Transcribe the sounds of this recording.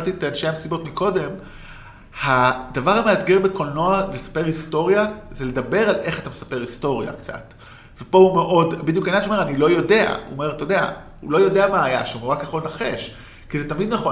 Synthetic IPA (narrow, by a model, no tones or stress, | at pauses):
t̪itanʃeamesibo̞tmiko̞de̞m | hadavaʁhameatɡeʁbeko̞lno̞alesḁpe̞ʁisto̞ʁjazeledabe̞ʁalʔe̞χatamesḁpe̞ʁisto̞ʁja̰kt͡sa̰t | vepo̞hume̞ʔo̞dbidjukananʃeomeʁanilo̞jo̞de̞a̰ṵome̞ʁt̪odea̰hṵlo̞jo̞deamaːjaʃeumeakjaχo̞lnaχe̞ʃ | kizetamid̪naχo